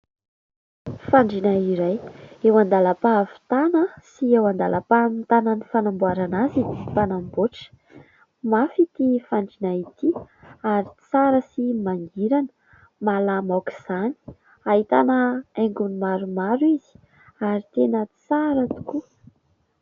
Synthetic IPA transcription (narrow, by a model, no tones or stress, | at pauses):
faɳɖ͡ʐinaiɾajewand̪aləpaːvi̥t̪anəsiewand̪alʔapamit̪ananifanambuaɾanazid̪ipanamboʈ͡ʂə̥ | mafit̪ifaɳɖ͡ʐinait̪iaɾit͡saɾəsimaŋɡiɾanə̥ | malamawki̥z̥ani̥ | aɦit̪a̰nəeŋɡunimaɾumaɾuizi̥ | aɾit̪enət͡saɾət̪u̥ku